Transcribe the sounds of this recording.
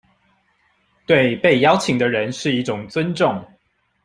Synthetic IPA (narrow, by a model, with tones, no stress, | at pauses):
t̪we˥˨ɪpe˥˩ɪjɑ˥˦ʊt͡ɕʰi˨ŋd̪ə˦ɻə˧˦nʂɻ̩˥˧i˥˩ʈ͡ʂʊ˨˩ŋt͡swə˦nʈ͡ʂʊ˥˨ŋ